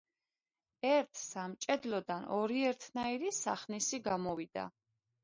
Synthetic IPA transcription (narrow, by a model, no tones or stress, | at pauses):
ɛɾt̪ʰsamt͡ʃʼɛd̪lɔd̪anɔɾiɛɾt̪ʰnaiɾisaχnisiɡamɔvid̪̥a̰